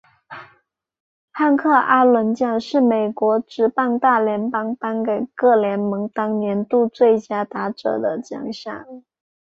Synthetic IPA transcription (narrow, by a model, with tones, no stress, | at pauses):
xa˥˧nkʰɤ˥˩ʔa˥lwə˧˥nt͡ɕjɑ˥˧ŋʂɻ̩˥˩me˨˩ɪkwɔ˧˥ʈ͡ʂɻ̩˧˥pɑ˥˧ŋt̪a˥˩ljɛ˧˥npɑ˥ŋpa˥nke˨˩ɪkɤ˥˩ljɛ˧˥nmɤ˧˥ŋt̪ɑ˥ŋnjɛ˧˥nt̪u˥˧t͡swe˥˩ɪt͡ɕja˥t̪a˧˥ʈ͡ʂɤ̰˨˩d̪ə˦˩t͡ɕjɑ̰˨˩ŋɕjɑ̰˥˩ŋ